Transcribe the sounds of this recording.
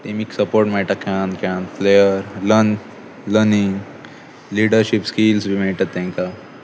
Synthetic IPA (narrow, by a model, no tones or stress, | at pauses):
t̪emiːksəpoɾʈmeɭʈakʰãnkʰãnplejəɾlən | ləɾniŋ | liɖəɾɕipskiːlsbʱimeɭʈ̪at̪ːɛ̃ŋka